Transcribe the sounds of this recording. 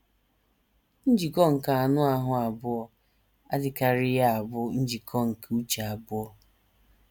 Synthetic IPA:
n̩˦d͡ʒi˨kɔ˦ŋ̩˨ka˨a˨nʊ˦a˦ɦʊ˨a˨bʊ˦ɔ˨ | a˦dɪ˨ka˦ɾɪ˦ja˦a˨bʊ˦n̩˦d͡ʒi˨kʰɔ˦ŋ̩˨ku˦t͡ʃa˨a˨bʊ˦ɔ˦

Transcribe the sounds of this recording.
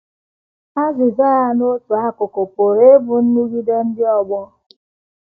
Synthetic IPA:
a˦zɪ˨za˦a˨no˦tu˨a˦kʊ˨ko˨po˨ɾe˦bu˨n̩˦nu˦ɣi˦de˦n̩˦dɪ˦ɔ˦ɡ͡bɔ˦

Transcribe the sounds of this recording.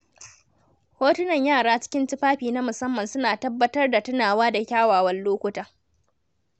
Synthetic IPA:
hoː˦tʊ˦nɐ˨ɲjaː˦˨ɽaː˦t͡ʃɪ̥˦kʲɪ˦nt͡ʃɪ˦ɸaː˦ɸiː˨na˦mʊ˨sɐ˦mːɐ˨nsʊ˦naː˨tɐ˦bːɐ˦tɐ˦rda˨tʊ˦naː˨waː˦da˨kʲaː˦waː˨wɐ˦nloː˦kʷʊ˦taː˦

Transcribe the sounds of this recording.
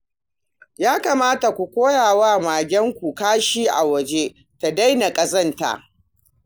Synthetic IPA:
jaː˦kaː˨maː˦ta˨kʷu˨kʷoː˦jaː˨waː˦maː˨ɡʲɛ˦ŋkʷu˨kaː˦ʃiː˦ʔa˨wɐ˨d͡ʒe˦ | ta˨da˦jna˨kʼɐ˨sɐ˦nta̰˨ʔ

